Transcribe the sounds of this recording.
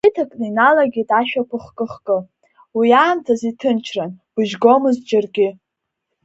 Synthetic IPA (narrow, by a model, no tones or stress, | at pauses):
itʰakʼnɨinalaɡʲidaʃᶣakʷʰʊχkʼɨχkʼɨ | wiaːmtʰazitʰɨnt͡ʃʰranb̥ɨʒɡo̞mɨzd͡ʒarɡʲɪ